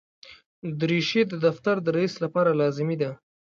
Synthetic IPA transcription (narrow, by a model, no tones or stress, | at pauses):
d̪ɾiʃed̪əd̪aft̪aɾd̪əɾaislapɑɾalɑzɪmid̪a